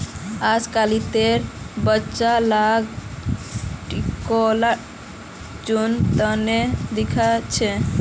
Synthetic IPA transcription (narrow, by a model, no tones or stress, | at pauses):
ad͡ʒkalit̪eɾbətːʃalaɡ | ʈikola | d͡ʒunt̪əned̪ikʰat͡ʃʰe